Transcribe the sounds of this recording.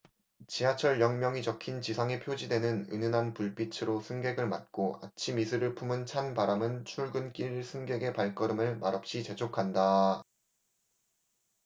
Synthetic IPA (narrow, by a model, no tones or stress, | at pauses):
t͡ɕiɦat͡ɕʰʌɭjʌŋmjʌŋit͡ɕʌkʰint͡ɕisʰaŋepʰjod͡ʑidwe̞nɯnɯnɯnɦanpuɭp͈it͡ɕʰɯɾosʰɯŋɡe̞ɡɯɭmat̚k͈oa̰t͡ɕʰimisʰɯɾɯɭpʰumɯnt͡ɕʰanpaɾamɯnt͡ɕʰuɭɡɯnk͈iɭsʰɯŋɡe̞ɡe̞paɭk͈ʌɾɯmɯɭmaɾʌp̚ɕ͈it͡ɕe̞d͡ʑʰokʰanda